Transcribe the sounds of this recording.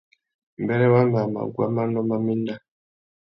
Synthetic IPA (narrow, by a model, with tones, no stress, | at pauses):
m̩˨bɛ˦ɾɛ˦wa˦ma˨ma̰˨ɡwa̰˦ma˦nɔ˦ma˦mi˦nda˦